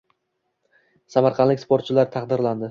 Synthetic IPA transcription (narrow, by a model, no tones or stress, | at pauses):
samaɾqʰɑnlɪkʲspʰoɾt̪t͡ʃʰɪlaɾt̪ʰɑqd̪ɪɾland̪ɪ